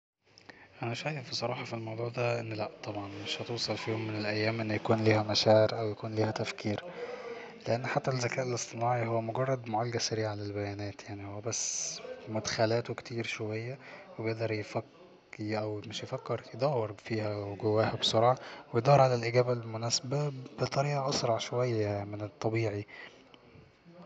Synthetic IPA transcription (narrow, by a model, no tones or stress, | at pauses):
ʔænæʃæːjefːisˤɑɾˤɑːħɑfilmɑwd̪ˤuːʕd̪æʔenːlæʔt̪ˤːɑbʕɑnmeʃhæt̪owsˤɑlfiːhomːenelʔæjːæːmʔenːjækuːnliːhæmæʃæːʕeɾʔæwjækuːnliːhæt̪æfkiːɾ | leʔenːħat̪ːælzːækæːʔelesˤt̪ˤenɑːʕihowːæmoɡɑrˤːɑd̪moʕalɡæsæɾiːʕalelbæjæːnæːt̪jaʕnihowːæbæsːmʊd̪xælæːt̪owekt̪ʰiːɾʃowæjːæwebejeʔd̪ɑɾˤjefæk | ʔæwmeʃjefækːeɾjed̪ˤɑwːeɾfiːhæweɡowːæːhæbsˤoɾˤʕɑwejd̪ˤɑːɾˤʕalælʔiɡæːbælmʊnæːsæbæbet̪ˤɑɾiːʔɑʔɑsɾˤɑʕʃowæjːæmenet̪ˤːɑbiːʕi